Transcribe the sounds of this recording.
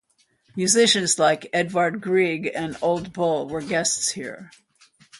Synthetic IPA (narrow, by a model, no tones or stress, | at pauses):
mjʉzɪʃɨ̃nzlaɪkɛdwəɹd̚ɡɹiɡɨ̃noʊlˠd̚bʊlˠwə˞ɡɛstshḭɹ